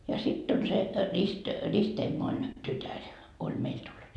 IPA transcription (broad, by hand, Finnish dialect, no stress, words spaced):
jɑ sitː on se rist ristemːoin tytær olʲ meil tulːut